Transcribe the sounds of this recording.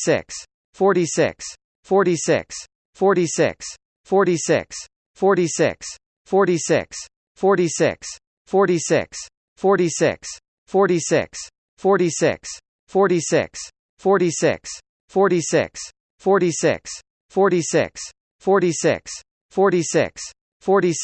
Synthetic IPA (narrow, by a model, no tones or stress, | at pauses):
sɪ̰ks | fɔɹɾisɪ̰ks | fɔɹisɪ̰ks | fɔɹɾisɪ̰ks | fɔɹɾisɪ̰ks | fɔɹɾisɪ̰ks | fɔɹɾisɪ̰ks | fɔɹisɪ̰ks | fɔɹɾisɪ̰ks | fɔɹɾisɪ̰ks | fɔɹɾisɪ̰ks | fɔɹɾisɪ̰ks | fɔɹisɪ̰ks | fɔɹɾisɪ̰ks | fɔɹɾisɪ̰ks | fɔɹɾisɪ̰ks | fɔɹɾisɪ̰ks | fɔɹisɪ̰ks | fɔɹɾisɪ̰ks | fɔɹɾi